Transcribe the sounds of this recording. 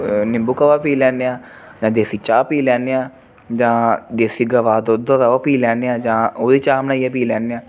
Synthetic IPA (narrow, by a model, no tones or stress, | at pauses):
nɪmbukəʋaːpiːlɛːneːãː | d͡ʒãːd̪eːsiːt͡ʃaːpiːlɛːneãː | d͡ʒãːd̪eːsiːɡəʋaːd̪od̪õːʋɛːaːpiːlɛːneːãːd͡ʒãːoːd̪iːt͡ʃaːmənaːijaːpiːlɛːneãː